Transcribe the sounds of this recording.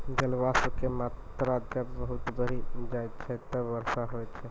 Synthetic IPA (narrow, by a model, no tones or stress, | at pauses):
d͡ʒəlwasəbkemat̪ɾad͡ʒəbəɦut̪bəɾid͡ʒajt͡ʃʰɛt̪əbəɾsaɦojt͡ʃʰɛ